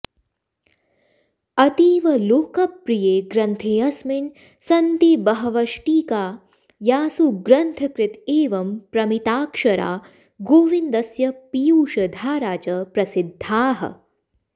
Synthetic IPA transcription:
ɐt̪iːʋɐloːkɐpːɾijeːɡɾɐnt̪ʰeːɐsmin | sɐnt̪ibɐɦɐʋɐʃʈiːkaː | jaːsuɡɾɐnt̪ʰɐkɾɪt̪eːʋɐmpɾɐmit̪aːkʂɐɾa̰ː | ɡoːʋind̪ɐsjɐpijuːʃɐd̪ʱaːɾaːt͡ʃɐpɾɐsid̪ʱːaːɦɐ̰

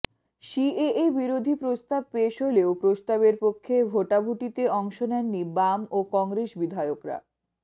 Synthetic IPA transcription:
ʃieebiɾod̪ʱipɾost̪ab̚peeʃoleopɾost̪aβeɾpokʰːebʱoʈabʱuʈit̪eɔŋʃonɛnːibamokɔŋɾeʃbid̪ʱaeokɾa̰

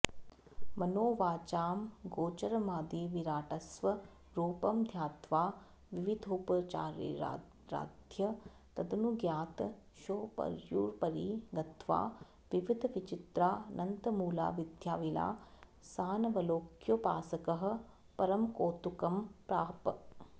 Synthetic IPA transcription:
mɐnoːʋaːt͡ʃaːmɡoːt͡ʃɐɾmaːd̪iːʋiɾaːʈɐsʋɐ | ɾuːpɐmd̪ʱjaːt̪ʋaː | ʋiʋid̪ʱoːpɐt͡ʃa̰ːɾ̰ | ɾa̰ːd̪ʱjɐ | t̪ɐd̪ɐnuɡjaːt̪ | ʃoːpɐ̰ɾjuːɾpɐɾiɡɐt̪ʋa̰ː | ʋiʋid̪ʱʋit͡ʃɪt̪ɾaːnɐnt̪ɐmuːla̰ːʋid̪ʱjaːʋila̰ː | saːnɐʋɐloːkʰjopa̰ːsɐkɐɦɐ̆ | pɐɾɐmkoːt̪ukɐmpɾaːp

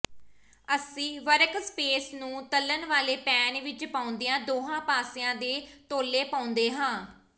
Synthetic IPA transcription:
əsĩːʋəɾkspeːsnũːt̪əlːənʋaːleːpɛːnʋɪt͡ʃpaːʊnd̪ijãːd̪oːɦãːpaːsɪjãːd̪eːt̪oːlːeːpaːʊnd̪eːɦãː

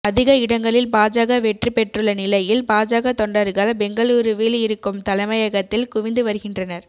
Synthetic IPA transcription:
ɐðɪɣɐɪɽɐŋɡɐɭɪlbaːd͡ʒaːɣɐʋɛʈripɛʈrɯɭːɐnɪlɐjɪlbaːd͡ʒaːɣɐt̪ɔɳɖɐɾɣɐɭbɛŋɡɐɭuːɾɯʋiːlɪɾɯkːɯmt̪ɐlɐɪmɐjɐɣɐt̪ːɪlkʊʋɪnd̪ɯʋɐɾɯɣɪndrɐnɐɾ

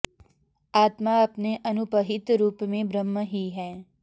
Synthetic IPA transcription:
aːt̪maɐpneʔɐnʊbəɦɪt̪ɾuːpmẽbɾəmːəɦiɦɛː

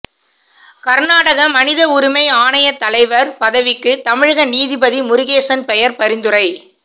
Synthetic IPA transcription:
kɐɾnaːɽɐɣɐmɐnɪðɐʊɾɪmɐɪaːɳɐjɐt̪ːɐlɐɪʋɐɾpɐðɐʋɪkːɯt̪ɐmɪɻɯɣɐniːðɪbɐðimʊɾɪɣeːsɐnpɛjɐɾpɐɾɪnd̪ɯrɐɪ

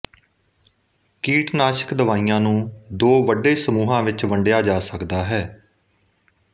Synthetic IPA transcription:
kiːʈnaːʃə̥kd̪əʋaːiːjãːnũːd̪oːʋəɖeːsəmuːɦãːʋɪt͡ʃʋəɳɖɪjaːd͡ʒaːsəkd̪aːɦɛː

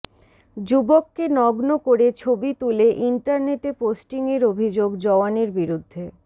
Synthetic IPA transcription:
d͡ʑubokːenɔɡnokoɾet͡ɕʰobit̪uleʔiɳʈaɾneʈeposʈiŋeɾobʱid͡ʑoɡd͡ʑɔaneɾbiɾud̪ʱːe

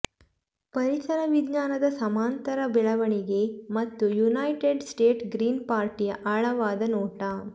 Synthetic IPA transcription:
pɐɾisɐɾɐʋid̪ɲaːnɐd̪ɐsɐmaːnt̪ɐɾɐbɛɭɐʋɐɳiɡemɐt̪ːujunajʈeɖsʈeːʈɡɾiːnpaːɾʈijɐʔɐɭɐʋaːd̪ɐnoːʈɐ

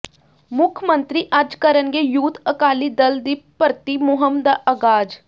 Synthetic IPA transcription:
mʊkʰmə̃nt̪ɾiːʔɐd͡ʒkəɾənɡeːjuːt̪ʰəkaːliːd̪əld̪iːpəɾt̪iːmʊɦəmd̪aːʔəɡaːd͡ʒ

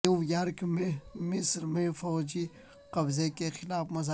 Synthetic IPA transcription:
uwjaɾkmẽmɪsɾmẽfɔːd͡ʒi | qɐbzekexɪlaːfmɐzaː

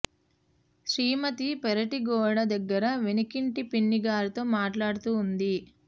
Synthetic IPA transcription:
ʃɾiːmɐt̪ipɛɾɐʈiɡɔːɽɐd̪ɐɡːɐɾɐʋenikiɳʈipiɳːiɡaːɾit̪o̞ːmaːʈlaːɽut̪uːnd̪i

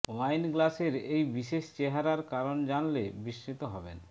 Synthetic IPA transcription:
wajnɡlaseɾejbiʃeʃt͡ɕeɦaɾaɾkaɾond͡ʑanlebiʃɾit̪oɦɔbḛn

